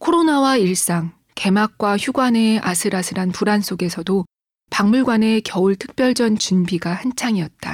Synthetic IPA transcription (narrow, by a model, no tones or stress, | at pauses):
kʰoɾonawaiɭs͈aŋ | ke̞mak̚k͈waçjuɡwane̞asʰɯɾasʰɯɾanpuɾans͈oɡe̞sʰʌdo | paŋmuɭɡwane̞kjʌuɭtʰɯ̥k̚p͈jʌɭd͡ʑʌnt͡ɕunbiɡahant͡ɕʰaŋiʌt̚t͈a̰